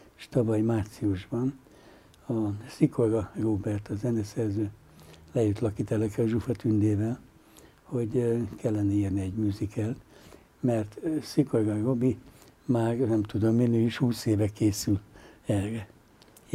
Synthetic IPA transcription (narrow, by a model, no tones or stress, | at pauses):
ʃt̪ɒvɒjmaːt̪siuʒbɒn | ɒsikorɡɒɡoːbɛrt̪ɒzɛnɛsɛrzøː | lɛjøt̪lɒkiːt̪ɛlɛkɛɒʒufɒt̪ynd̪eːvɛl | ho̞ɟkɛlːɛnɛiːrniɛɟmyːzikʰɛlt̪ | mɛrt̪sikorɡɒɡobimaːrnɛmt̪ud̪omːinøːiʃhuːseːvɛkeːsylɛlrɛ